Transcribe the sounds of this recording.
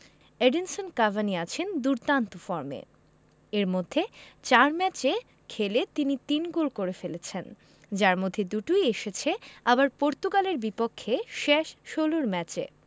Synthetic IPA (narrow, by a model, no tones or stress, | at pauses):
eɖinsonkavʱaniat͡ɕʰend̪uɾt̪ant̪ofɔɾmḛ | eɾmod̪ʱːet͡ɕaɾmɛt͡ɕe | kʰelet̪init̪inɡolkoɾefelet͡ɕʰen | d͡ʑaɾmod̪ʱːed̪uʈujeʃet͡ɕʰeabaɾpoɾt̪ukaleɾbipokʰːeʃeʃʃoloɾmɛt͡ɕḛ